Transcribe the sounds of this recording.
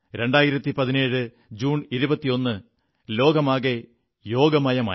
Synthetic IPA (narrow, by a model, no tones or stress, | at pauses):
ɾe̞ɳɖaːjiɾɐt̪ːipɐðine̞ːɻɨ | d͡ʑuːniɾubɐt̪ːijo̞nːɨ | lo̞ːɡɐmaːɣe | jo̞ːɡɐmɐjɐma̰ː